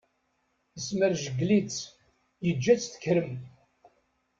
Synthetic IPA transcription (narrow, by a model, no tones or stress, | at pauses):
θəsməɾʒəɡlit͡s | jəd͡ʒːæt͡sθə̥kːɾəm